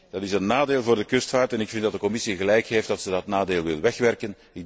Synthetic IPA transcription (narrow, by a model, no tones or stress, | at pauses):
d̥ɑtɪsənːaːdeːlˠvʊːrdəkʏstfaːrtɛnɪkfɪnt̚dɑt̚dəkɔmɪsiɣəlɛjkɦeːft̚dɑtsədɑtnaːdeːlˠʋɪlˠʋɛxʋɛrkən | ɪɡ̚